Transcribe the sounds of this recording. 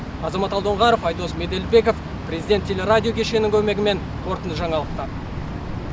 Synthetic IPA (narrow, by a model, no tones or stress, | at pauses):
ɑzɑmɑt̪ɑlˠd̪oɴʁɑɾofɑjd̪o̞sme̞d̪e̞lbe̞kof | pɾʲe̞zʲid̪ʲet̪ʰʲːe̞lʲeɾadʲijo̞kʲʰe̞ʃe̞nɪŋkʲʰɵme̞ɡʲɪme̞ŋ | kʰo̞ɾt̪ənt̪əʒɑɴɑlˠəq̚t̪ɑ